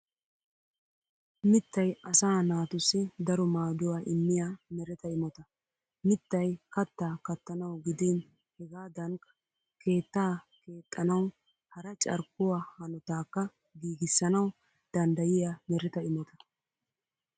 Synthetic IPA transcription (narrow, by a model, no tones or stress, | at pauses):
mɪt̪ːɐjɐsaːnaːt̪ʊsːɪd̪ɐɾɔmaːd̪ʊwaːʔɪmːɪjaːmɛɾɛt̪ɐɪmɔt̪ɐ | mɪt̪ːɐjkɐt̪ːaːkɐt̪ːɐnɐwɡɪd̪iːn | hɛɡaːd̪ɐŋk | kʰe̞ːt̪ːaː | ke̞ːt̪ʼːɐnɐw | hɐɾɐt͡ʃʼɐ̰ɾkːʊwaːhɐnɔt̪aːkːɐ | ɡiːɡɪsːɐnɐw | d̪̥ɐnd̪ɐjɪjamɛɾɛt̪ɐɪmɔt̪ɐ̥